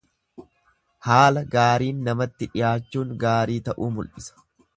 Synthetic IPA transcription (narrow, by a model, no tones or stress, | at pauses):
haːlɐɡaːɾiːnːɐmɐt̪ːɪᶑɪjaːt͡ʃːuːŋɡaːɾiːt̪ɐʔuːmʊlʔɪsɐ̥